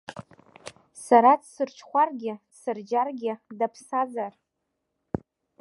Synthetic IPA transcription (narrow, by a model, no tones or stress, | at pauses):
saɾadsɨrt͡ʃʰχʷarɡʲɪdsɨrd͡ʒarɡʲɪdapʰsazar